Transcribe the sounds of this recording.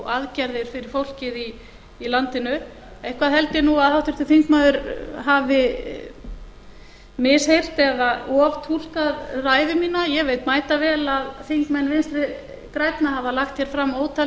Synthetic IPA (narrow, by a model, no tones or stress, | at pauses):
aðcaɾðɪɾ̥fɪɾɪɾfowl̥cɪðiː | lant̪ɪnʏ | ɛjhkvaðhɛlt̪ɪnuaðhawht̪ʰʏɾ̥t̪ɪθiŋkmaðʏɾɦaːvɪ | mɪshejr̥t̪ɛðaɔɔvt̪ʰul̥kaðraːjvɪmiːnajɛveːjt̪maːjt̪avɛːlaðθiŋkmɛnːvɪnst̪ɾɪ | kɾajt̪naɦavalaxt̪çjɛɾ̥fɾamːoːwt̪ʰa